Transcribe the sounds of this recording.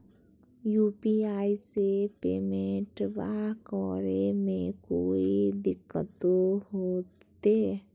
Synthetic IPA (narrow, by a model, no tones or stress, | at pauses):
jupiaːisepeːmẽʈbakɔːɾemẽkoːid̪ɪkːət̪ohoːt̪e